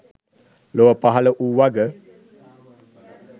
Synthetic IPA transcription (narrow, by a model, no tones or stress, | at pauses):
loəpaɦaləʔuwaɡə